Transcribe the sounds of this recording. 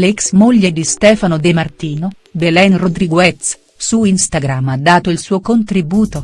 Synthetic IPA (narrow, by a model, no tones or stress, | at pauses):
leksmoʎːed̪ist̪ɛːfanod̪emart̪iːno | belɛnrod̪ɾiɡoɛt̪s | suinst̪aɡɾamːad̪ːaːt̪oilsuːokont̪ɾibuːt̪o